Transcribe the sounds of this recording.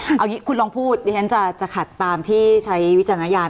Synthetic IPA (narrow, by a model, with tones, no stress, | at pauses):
ʔa˧wŋiː˦˥kʰu˧nlɔː˧ŋpʰuː˥˩t̪̚ja˧˦˥t͡ɕʰa˦˥nt͡ɕa˨˩t͡ɕa˨˩kʰa˨˩t̪ːaː˧mt̪ʰiː˥˩t͡ɕʰa˦˥jwt̚t͡ɕa˧naː˧˥jaː˧n